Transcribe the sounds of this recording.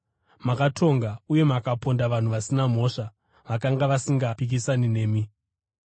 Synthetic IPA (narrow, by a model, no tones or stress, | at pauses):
makatʰo̞ŋɡauje̞makapo̞ndaʋan̤uʋasinam̤o̞ʂa | ʋakaŋɡaʋasiŋɡapik̬isanine̞ːmi